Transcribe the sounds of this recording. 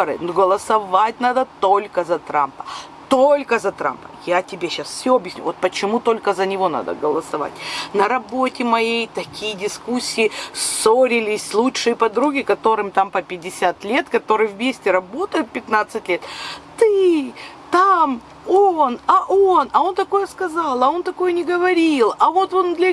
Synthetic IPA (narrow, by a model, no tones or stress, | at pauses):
ɾɨ̰nɡəlˠəsɐvat̚ʲnad̪ət̪olʲkəzɐt̪ɾa̰mpə̥ | t̪olʲkəzɐt̪ɾa̰mpə̥̰jatʲɪbʲeɕːasfsʲoɐbjɪsʲnʲṵvot̪̚pət͡ɕɪmut̪o̞lʲkəzənʲɪvo̞na̰d̪ə̰ɡəlˠəsɐva̰tʲnɐɾɐbo̞tʲɪmɐjejt̪ɐkʲijədʲɪskusʲːɪɪso̞ɾʲɪlʲɪsʲlˠutʂɨjəpɐd̪ɾuɡʲɪkɐt̪o̞ɾɨmt̪ampəpʲɪdʲɪsʲat̪lʲe̞t̪kɐt̪o̞ɾɨjəvmʲesʲtʲɪɾɐbo̞t̪əjʊt̪̚pʲɪt̪nat̪sɨtʲlʲe̞t̪t̪ɨ | t̪am | onɐʔo̞nɐo̞nt̪ɐko̞jəskɐzalˠɐo̞nt̪ɐko̞jənʲɪɡəvɐɾʲilˠɐvo̞t̪o̞nd̪lʲɐ